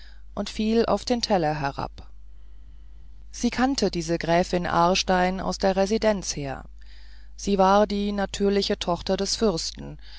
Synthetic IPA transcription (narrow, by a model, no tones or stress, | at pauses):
ʔʊntfiːlʔa̰ʊfd̥eːntʰɛlɐɦɛʁa̰p | z̥iːkʰantʰədiːzəɡʁɛːfɪnʔa̰ɐʃtaɪna̰ʊsd̥eːɐʁɛzidɛnt͡sheːɐ | z̥iːvaːɐdiːnatʰyːɐlɪçətʰɔχtɐdɛsfʏʁstn̩